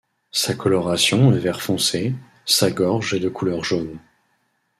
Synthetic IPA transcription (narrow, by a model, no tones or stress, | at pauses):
sakʰɔlɔʁasjɔ̃əvɛʁfɔ̃se | saɡɔʁʒed̪əkʰulœʁʒon